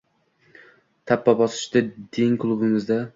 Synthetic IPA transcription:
t̪ʰapːabɒsɪ̥ʃt̪ad̪ɪŋkʰlˠʊbɪmɪzd̪a

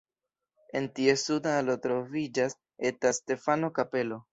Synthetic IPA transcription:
e̞ntie̞sudaalotɾo̞vid͡ʒas | e̞taste̞fano̞kape̞lo̞

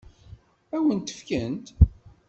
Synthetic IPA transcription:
æwənt̪ə̥fkənt̪

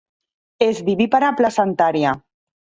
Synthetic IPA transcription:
ezβiβipaɾaplasant̪aɾja

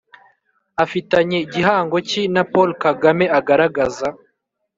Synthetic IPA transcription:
afitaɲe̞iɟiɦaːŋɡo̞cinapolkaɡame̞aɡaɾaɡaza

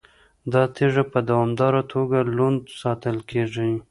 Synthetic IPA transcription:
d̪ɑt̪eʐapəd̪awɑmd̪ɑɾat̪ʰoɡalund̪sɑt̪əlkeʐi

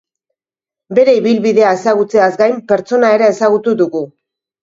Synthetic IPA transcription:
be̞ɾe̞iβilβiðe̞ae̞saɣ̞ut͡se̞azɡajmpe̞ɾt͡so̞nae̞ɾeːsaɣ̞ut̪uðuɣu

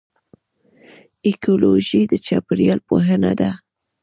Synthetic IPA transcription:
ekoloʒid̪ət͡ʃapɾijɑlpoɦəna̰d̪a

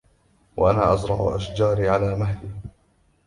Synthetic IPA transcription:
waʔanaːʔɑsɾˤɑ̰ʕʊ̰ʔaʃd͡ʒɑːɾiʕalaːmaɦliː

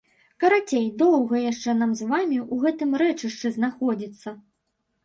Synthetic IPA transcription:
kɐɾat͡sʲejd̪ɔwɣɐjaʂt͡ʂɛn̪amzvamʲiʔuɣɛt̪ɨmɾɛt͡ʂɨʂt͡ʂɨznaxɔd͡zʲit̪sːɐ

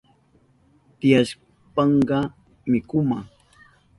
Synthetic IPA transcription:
t̪ɪjaʃ | pɑɴɢɑ | mɪkʊmaŋ

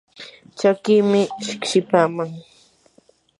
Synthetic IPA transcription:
t͡ʃakiːmɪʃɪkʃɪpaːmaŋ

